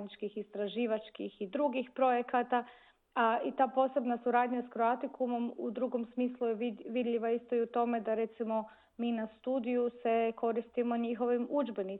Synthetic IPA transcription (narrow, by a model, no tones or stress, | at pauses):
nit͡ʃkixist̪ɾaʒiːʋat͡ʃkixid̪ɾuɡixpɾo̞je̞kat̪a | ait̪aːpo̞ːse̞bnasuɾaːd̪ɲaskɾoat̪ikumo̞mud̪ɾuɡo̞msmiːslˠujeʋiʋid̪ʎiʋaist̪o̞iut̪o̞me̞d̪aɾe̞t̪simo̞ | miːnast̪uːd̪ijuse̞ko̞ɾist̪imo̞ɲixo̞ʋimud͡ʒbeni